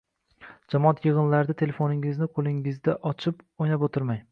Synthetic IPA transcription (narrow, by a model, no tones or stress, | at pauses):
d͡ʒamɒat̪jɨʁɨnlaɾd̪at̪ʰe̞le̞fonɪŋɪznɪqʰolˠɪŋɪzd̪aʔɒt͡ʃʰɪpojnapot̪ʰɪɾmaj